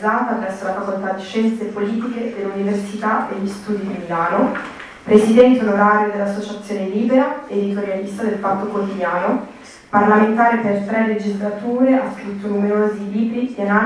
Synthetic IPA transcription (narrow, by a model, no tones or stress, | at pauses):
aːt̪apɾɛsːolafakolt̪ad̪ːiʃɛnt̪sepoliːt̪iked̪eluniversit̪aeʎːist̪uːd̪id̪imilaːno | pɾesid̪ɛnt̪eonoɾaːɾjod̪elːasːot͡ʃat̪sːjoːneliːbeɾaed̪it̪oɾjalist̪ad̪elpat̪ːokot̪id̪jaːno | parlament̪aːɾepert̪ɾɛled͡ʒizlat̪uːɾeaskɾut̪ːonumeɾoːziliːbɾid̪iana